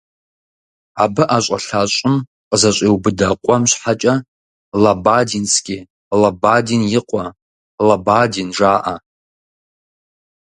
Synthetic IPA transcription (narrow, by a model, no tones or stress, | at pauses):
abɨʔaɕʷʼa̰ɬat͡ʃʷʼʊm | qʼzaɕʷʼewbɨdaqʷʼamʃʷħat͡ʃʼa | labadinsʰɡʲi | labadinjɪqʼa | labadinʐaʔa